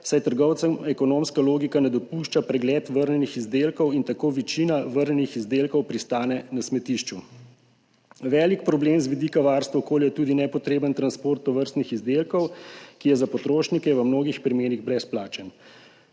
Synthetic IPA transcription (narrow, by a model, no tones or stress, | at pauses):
sajt̪əɾɡɔwt̪səmɛkɔnomskaloːɡikanɛd̪ɔpuʃt͡ʃapɾɛɡlɛːt̪ʋəɾnɛnixizd̪eːlkɔwint̪akoːʋit͡ʃiːnaʋəɾɲɛnixizd̪eːlkɔwpɾist̪aːnɛnasmɛt̪iʃt͡ʃu | ʋɛːlikpɾɔbleːmzʋid̪ikaʋaːɾst̪ʋaɔkoːljajt̪uːd̪inɛpɔt̪ɾeːbənt̪ɾanspoːɾt̪ːɔʋəɾst̪nixizd̪eːlkɔwkijɛzapɔt̪ɾoːʃnikɛʋəmnoːɡixpɾimeːniɣbɾɛsplaːt͡ʃən